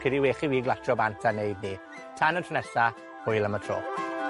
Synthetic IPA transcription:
kʰɛdiweːχiwiːɡlˠatʰrɔbantʰanejd̚ni | tʰanəntʰrənɛsa | hʊjlˠəmətʰro̰ːp

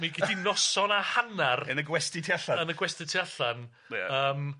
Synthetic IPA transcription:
mikʰidinɔsɔnahanarənəɡwɛstɪtʰiaɬaənəɡwɛstɪtʰiaɬan | a̰əːm

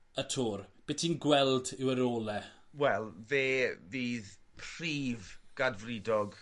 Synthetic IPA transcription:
ətʰuːɾb̥ɪtʰinɡwɛlˠdɪwəɾoːlɛ | wɛlˠveːviːð | pʰr̥iːvɡ̥advridɔɡ

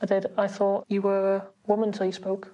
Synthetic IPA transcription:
aɪdɛdaɪθɔˑʔɨwəwʊmə̃ntʰəlˠjəspoʊk

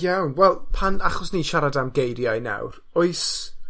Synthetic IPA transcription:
jawnwɛlˠpʰanaχɔsniʃaɾadamɡejɾjajna̰wr | ɔɨs

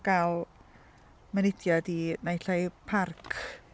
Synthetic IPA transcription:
ɡ̥alˠ | mənɪdjadinajɬajpʰarkʰ

